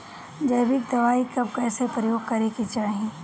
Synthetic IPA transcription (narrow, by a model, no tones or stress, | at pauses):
d͡ʒɐjbɪkd̪ɐʋaːikɐbkɛːsepɾəjoːɡ̚kɐɾekit͡ʃaːɦiẽː